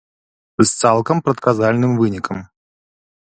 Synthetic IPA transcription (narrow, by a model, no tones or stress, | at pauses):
st̪salˠkɐmpɾɐt̪kazalʲnɨmvɨnʲikɐm